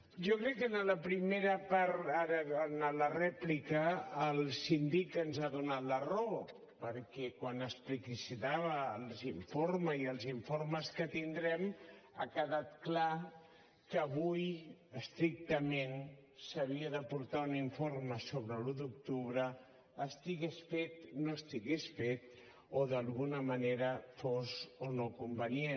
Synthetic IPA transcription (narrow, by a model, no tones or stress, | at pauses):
ʒɔkɾɛkːənələpɾimeɾəpaɾaɾəənələrɛplikəːlˠsind̪ikənzaðunat̪lərɔ | pəɾkɛkwanəsplikisit̪aβəːlˠziɱfoɾməziəlˠziɱfoɾməskət̪ind̪ɾɛma̰kəðat̪̚kla | kəːβujəst̪ɾik̚t̪əmensəβiəðəpuɾt̪auniɱforməsoβɾəlud̪uk̚t̪uβɾəː | st̪iɣesfet̪noəst̪iɣesfet̪̚ | oðəlˠɣunəməneɾəfozonokumbənie